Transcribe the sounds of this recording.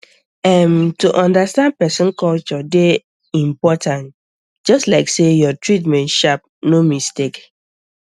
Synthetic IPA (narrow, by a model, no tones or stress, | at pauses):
ɛmtuʔɔ̃ndastãnd̚pɛsɔ̃nkɔlt͡ʃɔde | ĩmpɔtãnt | d͡ʒɔstlaɪksejɔtɹit̬mɛ̃ntʃap̚ | nomistek